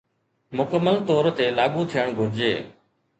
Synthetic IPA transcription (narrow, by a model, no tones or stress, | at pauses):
mʊkəməlt̪oːɾt̪eːlaːɠũːt̪ʰijəɳ̃ɡʱʊɾd͡ʒeː